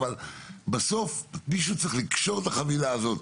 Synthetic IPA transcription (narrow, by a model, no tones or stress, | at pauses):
valbaso̞fmiʃut͡sʁiχlikʃo̞ʁt̪aχavilaːzo̞t̪